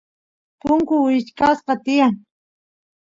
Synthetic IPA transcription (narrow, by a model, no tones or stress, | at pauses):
pʊŋkʊwɪt͡ʃkasqɑt̪ɪjaŋ